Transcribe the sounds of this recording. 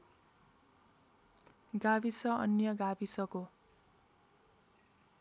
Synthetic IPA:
ɡabisʌʌnjʌɡabisʌko

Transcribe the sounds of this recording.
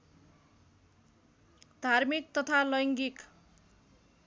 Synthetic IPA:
d̪ʱarmik̚t̪ʌt̪ʰalʌjŋɡik

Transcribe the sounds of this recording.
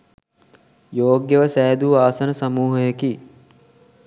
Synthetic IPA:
joːɡjəʋəsæːd̪uʋaːsənəsɐmuːɦəjeki

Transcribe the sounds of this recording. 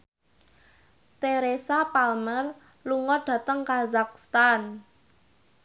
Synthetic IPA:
t̪eɾesapalmər | luŋɔɖ̥ä̤t̪əŋkazak̚st̪an

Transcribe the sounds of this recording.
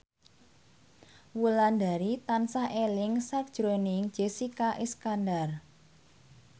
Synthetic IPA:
wuland̪a̤ɾit̪ansaʔelɪŋsak̚d̥ʒ̥ɾonɪŋd̥d͡ʒ̥esikaʔiskandar

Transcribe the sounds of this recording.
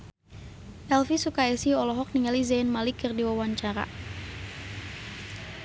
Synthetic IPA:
ʔɛlfisukaɛsiɔlɔɦɔk̚niŋalizanmalikːərdiwawaɲt͡ʃaɾa̰

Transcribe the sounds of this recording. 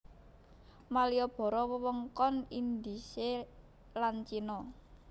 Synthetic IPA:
malijɔb̥ɔ̤ɾɔwəwəŋkɔnind̪ise | lant͡ʃinɔ

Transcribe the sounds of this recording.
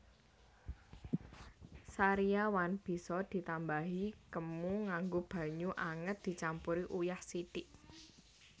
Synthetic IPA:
saɾiawanb̥i̤sɔd̪̥i̤t̪ambaɦikəmuŋaŋɡob̥a̤ɲuʔaŋət̪̚d̪̥i̤t͡ʃampuɾiʔujahsit̪ɪʔ

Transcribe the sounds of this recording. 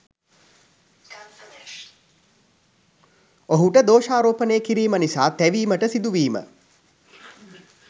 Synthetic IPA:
oɦuʈəd̪oːʃaːɾoːpənejːkiɾiːmənisaːt̪æʋiːməʈəsid̪uʋiːmə̰

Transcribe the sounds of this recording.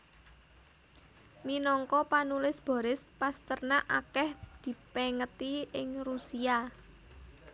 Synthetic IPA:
minɔŋkɔpanulɪsb̥ɔ̤ɾɪspast̪ərnaʔakɛhd̪̥i̤pɛŋət̪iɪŋrusia

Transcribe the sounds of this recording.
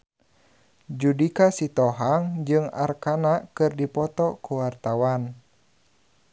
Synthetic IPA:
d͡ʒudikasit̪ɔɦaŋd͡ʒɨŋa̰rkanakɨrdipɔt̪ɔkuwart̪awan

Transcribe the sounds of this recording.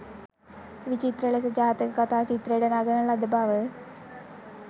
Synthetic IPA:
ʋit͡ʃit̪ɾəɭes̬əd͡ʒaːt̪əkəkat̪aːt͡ʃit̪ɾəjeɖənaɡənəlad̪əbaʋə

